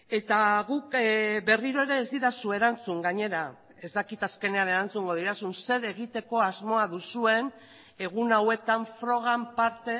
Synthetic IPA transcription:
e̞t̪aɣukbe̞riɾo̞e̞ɾe̞ːzd̪iɾasue̞ɾant͡suŋɡaɲe̞ɾa | e̞zd̪akit̪aske̞ne̞ane̞ɾant͡suŋɡo̞ðiɾasunse̞ðe̞ɣ̞it̪e̞ko̞azmo̞aðusue̞n | e̞ɣ̞unawe̞t̪aɱfɾo̞ɣ̞ampaɾt̪e̞

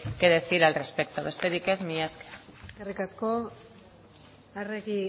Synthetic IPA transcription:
keðeθiɾalrespe̞k̚t̪oβe̞st̪e̞ɾike̞zmiaske̥skarikasko | areki

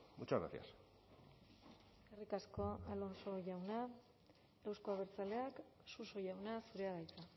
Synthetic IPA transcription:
mut͡ʃaɾa̰θḭa̰s | e̞rikasko̞alo̞nso̞ʝawna | e̞wskoaβ̞e̞ɾt͡sale̞aksuso̞ʝawnasuɾe̞aɣajt͡sa

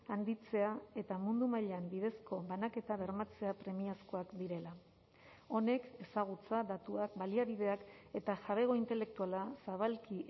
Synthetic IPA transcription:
and̪it͡se̞ae̞t̪amund̪umaʎeambið̞e̞sko̞βanake̞t̪aβe̞ɾmat͡se̞apɾe̞miasko̞akd̪iɾe̞la | o̞ne̞ke̞saɣ̞ut͡sadat̪uakbaliaβiðe̞ake̞t̪aʝaβe̞ɣ̞o̞int̪e̞le̞k̚t̪ualasaβalki

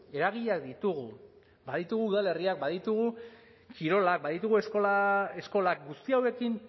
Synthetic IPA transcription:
e̞ɾaɣ̞iʎakd̪it̪uɣu | baðit̪uɣ̞uːðale̞riak̚baðit̪uɣ̞u | kiɾo̞lak̚baðit̪uɣueskoaesko̞lak̚ɡust̪iawe̞kin

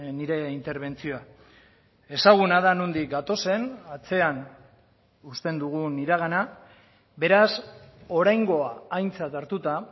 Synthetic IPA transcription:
niɾe̞int̪e̞ɾβ̞e̞nt͡sio̞a | e̞saɣ̞unaðanond̪ik̚ɡat̪o̞se̞nat͡se̞an | ust̪e̞nd̪uɣ̞uniɾaɣ̞ana | βe̞ɾaso̞ɾajŋɡo̞aːjnt͡sat̪aɾt̪ut̪a

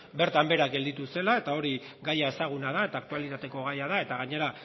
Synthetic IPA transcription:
be̞ɾt̪ambe̞ɾakɡe̞ld̪it̪use̞lae̞t̪ao̞ɾi | ɡajae̞saɣ̞unað̞ae̞t̪aːkt̪ualit̪at̪e̞ko̞ɣajaðae̞t̪aɣaɲe̞ɾa

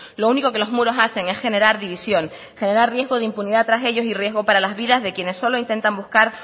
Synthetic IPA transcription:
louniko̞ke̞lo̞zmuɾo̞sase̞ŋe̞sxe̞ne̞ɾaɾðiβisjo̞ŋ | xe̞ne̞ɾarrje̞zɣo̞ðeimpuniðat̪ɾaseʎo̞sirje̞zɣo̞paɾalazβiðazðe̞kje̞ne̞sːo̞loint̪e̞nt̪ambuhkaɾ

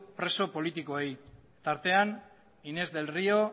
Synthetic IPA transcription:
pɾe̞so̞po̞lit̪iko̞ej | t̪aɾt̪e̞an | ine̞zd̪e̞lrio̞

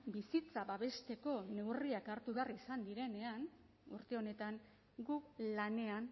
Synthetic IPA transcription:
bisit͡saβaβe̞st̪e̞ko̞ne̞wriakaɾt̪uβe̞arisand̪iɾe̞ne̞an | ṵɾt̪e̞o̞ne̞t̪aŋ | ɡuklane̞an

